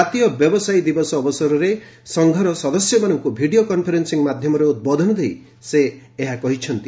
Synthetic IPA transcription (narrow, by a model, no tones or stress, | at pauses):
at̪ijɔbjɔbɔsajd̪ibɔsɔːbɔsɔɾɔɾe | sɔŋɡʱɔɾɔsɔd̪ɔsjɔmanɔŋkubʱiɽiokɔnpʰɔɾensiŋmad̪ʱjɔmɔɾeut̪̚bɔd̪ʱɔnɔd̪ej | seːɦakɔɦit͡ʃʰɔnt̪i